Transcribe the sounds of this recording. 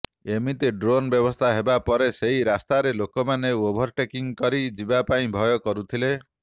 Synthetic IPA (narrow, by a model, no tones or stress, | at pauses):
emit̪eɖɾonbjɔbɔst̪ʰaɦebapɔɾeseɦiɾast̪aɾelokɔmaneuobʱɔɾʈekiŋkɔɾid͡ʒibapaĩbʱɔjɔkɔɾut̪ʰile